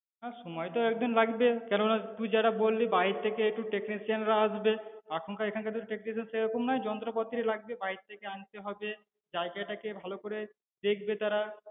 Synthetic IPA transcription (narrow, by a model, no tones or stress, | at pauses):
naʃɔmɔjt̪oɛk̚d̪inlaɡbekɛɾonat̪ud͡ʑaɾabolːibaɦiɾt̪ʰːekeek̚ʈuʈeknisianɾaaʃbeakʰonkaekʰankat̪uʈeknisanseɾɔkomnajd͡ʑɔnt̪ɾopot̪ːiɾelaɡ̚bebaɦiɾt̪ʰekeant̪eɦɔbe | d͡ʑajɡajʈakebʱalokoɾe | d̪ekʰbet̪aɾa